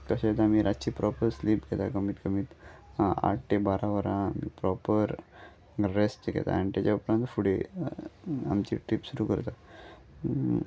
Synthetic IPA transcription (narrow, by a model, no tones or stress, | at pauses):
kəɕet̪amiːɾʔat͡ɕiːpɾɔpəɾsliːpɡʱɛt̪akəmiːt̪kəmiːt̪a̰ʈ̚ʰʈ̪ebaɾaʋəɾãamḭːpɾɔpəɾ | ɾesʈɡʱɛ̰t̪a̰anit̪at͡ɕaupɾãnt̪fuɽe | amt͡ɕḭʈɾipsuɾuːkə̰ɾt̪a